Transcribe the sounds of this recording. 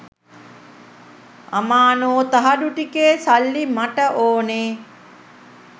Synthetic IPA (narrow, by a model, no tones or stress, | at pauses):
ɐmaːnoːt̪ɐɦɐɖuʈikeːsɐlːimɐʈəʔoːneː